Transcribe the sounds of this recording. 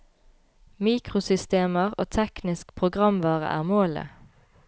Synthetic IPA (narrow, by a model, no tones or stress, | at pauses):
miːkʁʊsʏst̪eːməʁo̰ːt̪ʰɛknɪskpʰʁʊɡʁɑmʋɑːʁə̰ʔæ̰ːʁmoːlə̰